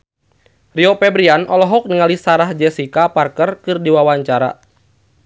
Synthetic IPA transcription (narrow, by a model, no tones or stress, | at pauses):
riɔpɛbɾianʔɔlɔɦɔk̚niŋalisaɾahd͡ʒɛsikaparkərkɨrdiwawaɲt͡ʃaɾa̰